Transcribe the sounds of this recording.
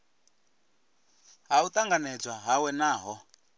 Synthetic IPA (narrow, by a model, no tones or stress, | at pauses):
ɦaut̪aŋɡanɛd͡zwaɦawɛnaːɦɔ